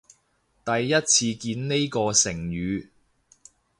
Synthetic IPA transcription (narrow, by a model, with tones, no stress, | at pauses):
t̪ɐ˨jːɐ˥t̚t͡sʰiː˧kiː˧nne˥jkɔː˧sɪ˨˩ŋjyː˨˧